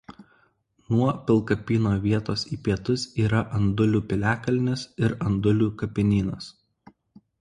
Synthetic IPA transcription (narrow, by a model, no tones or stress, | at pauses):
nuɔpʲɪlˠkɐpʲiːnoːʋʲiɛt̪oːsiːpʲiɛt̪ʊsiːɾɐʔɐnd̪ʊlʲuːpʲɪlʲæːkɐlʲnʲɪsɪɾɐnd̪ʊlʲuːkɐpʲɪnʲiːnɐs